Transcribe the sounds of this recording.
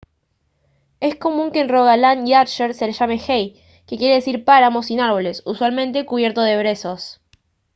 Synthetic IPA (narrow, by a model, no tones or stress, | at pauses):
e̞sko̞mũŋke̞ːnroɣalaniat͡ʃeɾse̞leʃame̞xej | kekje̞ɾe̞ð̞esiɾpaɾamo̞sinaɾβo̞le̞suswalmẽnt̪e̞kuβ̞je̞ɾt̪o̞ðe̞βɾe̞so̞s